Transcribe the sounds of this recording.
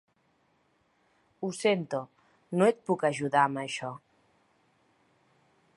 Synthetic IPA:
usent̪o | noet̪̚pukəʒuðaməʃɔ

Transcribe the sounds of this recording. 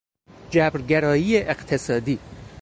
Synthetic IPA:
d͡ʒæbɾɡeɾɒːjiːeʔeqt̪ʰesɒːd̪iː

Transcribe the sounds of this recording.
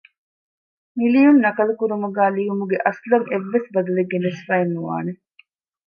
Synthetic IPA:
milijunːɐkɐlukuɾumuɡaːliʋumuɡeʔɐslɐŋeʋːesbɐd̪ɐleɡːenesfaːenːuʋa̰ːne

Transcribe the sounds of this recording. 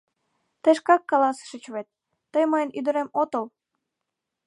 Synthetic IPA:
t̪eʃkɑkːɑlɑsə̥ʃət͡ɕβet̪̚ː | əjməjənyd̪əɾemot̪əl

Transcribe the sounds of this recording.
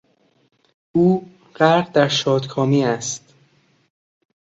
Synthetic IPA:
ʔuː | ɢ̥æɾʁd̪æɾʃɒːd̪kʰɒːmiːæst̪

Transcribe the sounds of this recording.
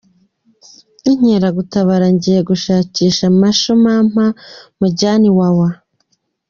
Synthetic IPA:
iɲ̥eɾaɡutaβaɾaɲɟijeɡuʃaːciːʃamaʃomam̥amuɟaːniwawa

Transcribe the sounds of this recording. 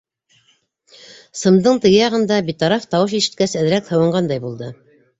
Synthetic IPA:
sɤ̆md̪ɤɴt̪ɘ̆ɡɘjɑʁɤ̆nd̪ɑbit̪ɑɾɑft̪ɑwɤʃ̬iʃɘ̆t̪̚kæsɘ̆ð̆ɾækhɤ̆wɤ̆ɴɢɑnd̪ɑjbulˠd̪ɤ

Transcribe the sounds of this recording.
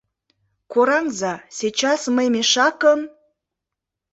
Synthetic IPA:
koɾɑŋzɑsʲet͡ɕɑsməjmʲeʃɑkəm

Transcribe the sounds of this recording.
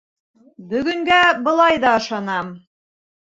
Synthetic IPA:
bɵ̆ɡɵ̆ŋɡæbɤ̆lˠɑjðɑɤ̆ʃɑnɑm

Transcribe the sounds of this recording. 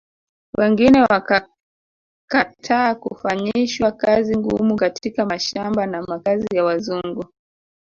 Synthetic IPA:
wʔɛŋɡinɛwaka | katʰaːkṵfaɲiʃwakaziŋɡṵmukatʰikamaʃambanamakazijawazuŋɡu

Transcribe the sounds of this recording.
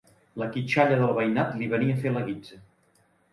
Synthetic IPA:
ləkit͡ʃaʎəðəlˠβəjnat̪liβəniəfeləɣid͡zə

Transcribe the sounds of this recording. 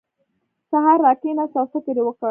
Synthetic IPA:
saɦɑɾːɑkenasasat̪eɾewəkə

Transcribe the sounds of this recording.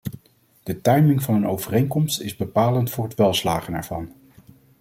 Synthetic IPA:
d̥ətɑjmɪŋvɑnənowvərejŋkɔmstɪzbəpaːləntfʊːɹɦətʋɛlˠslaːχənɛ̰ɹv̥ɑn

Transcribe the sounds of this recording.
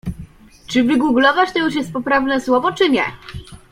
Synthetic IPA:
t͡ʂɘvɘɡuɡlɔvat͡ɕt̪ɔjuʂjɛst̪̚pɔpɾavnɛswɔvɔt͡ʂɘɲɛ̰

